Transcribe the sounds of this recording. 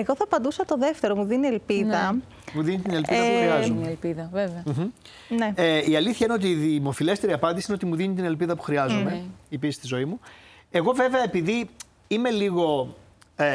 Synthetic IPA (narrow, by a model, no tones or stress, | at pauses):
eɣo̞θɐpɐnd̪usɐt̪o̞ðeft̪e̞ɾo̞muðinielpiðɐ | muðinit̪ine̞lpiðɐɐuɾiɐzumelpiðɐveveɐ̥ | neeiɐliθçɐineot̪iːðimo̞file̞st̪eɾiɐpɐnd̪isiineot̪̬imuðinit̪ine̞lpiðɐpu̥xɾiɐzumeipiist̪izo̞imu | e̞ɣo̞ve̞veɐepiði | ime̞liɣo̞